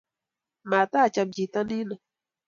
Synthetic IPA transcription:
ma˨t̪a˦˨t͡ʃa˧md͡ʒi˨ta˦ni˦na˨

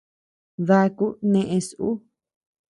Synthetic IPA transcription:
ða˧ku˦nẽ˧ʔẽ˧sʔṵ˦

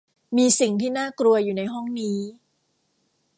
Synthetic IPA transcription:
miː˧si˨˩ŋt̪ʰiː˥˩naː˥˩kɾu˧ɐjuː˨˩na˧jɦɔ˥˩ŋniː˦˥

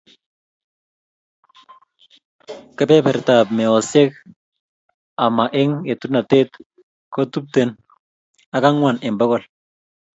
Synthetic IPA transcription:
ke˦pe˦pɛ˨ɾta˨bme˨o˨se˦k | a˨ma˨ʔe˦ŋe˨tu˦na˨te˦t̪ | ko˦t̪u˦p̚t̪e˨n | a˨ka˦ŋwa˨nɪ˨mbo˦kɔ˨l

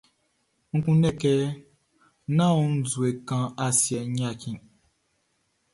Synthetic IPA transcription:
ŋ̩˦kũ˦nɛ̃˦˨kɛ˦ | nã˦˨u˨˦n̩˦zu˨e˨kã˦a˨sjɛ˨ɲã˦˨kĩ˨

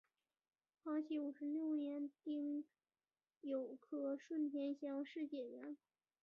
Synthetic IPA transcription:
xɑ˥ʊt͡ɕʰi˧˥u˨˩ʂɻ̩˧˥ljo˥˩ʊnjɛ˧˥nt̪i˥ŋ | jo˨˩ʊkʰɤ˥˩ʂwə˥˩nt̪ʰjɛ˧˥nɕjɑ˥ŋʂɻ̩˥˧t͡ɕjɛ˥˩ɥɛ˧˥n

